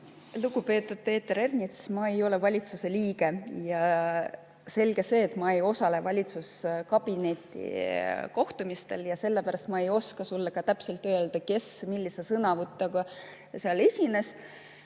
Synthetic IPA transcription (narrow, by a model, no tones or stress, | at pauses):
luɡupe̞ːt̪ːˑud̪̥̚pe̞ːt̪ːeɾe̞rnʲit̪smɑe̞jo̞le̞vɑlʲit̪suse̞liːɡ̥e̞jɑ | se̞lɡ̥e̞se̞ːt̪ˑmɑe̞jo̞sɑle̞vɑlʲit̪suskɑb̥ine̞t̪ːˑḭko̞ht̪umist̪e̞ljɑse̞lːepæɾɑst̪mɑe̞jo̞skɑsulːɑkɑt̪æpse̞lt̪ːˑø̞ːld̪̥ɑke̞smilʲːisesɤnɑvut̪ːˑɑɡɑ | seɑle̞sʲine̞s